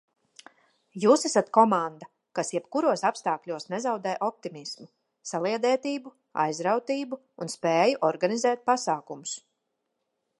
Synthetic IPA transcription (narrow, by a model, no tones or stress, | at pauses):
juːsɛsat̪kɔmand̪a | kasjɛbkuɾuɔsapst̪aːklʲuɔsnɛzawd̪ɛːjʔɔp̚t̪imismu | salˠiɛd̪ɛːt̪iːbu | a̰jzɾawt̪iːbuːnspɛːjuʔɔɾɡanizɛːt̪̚pasaːkumʊs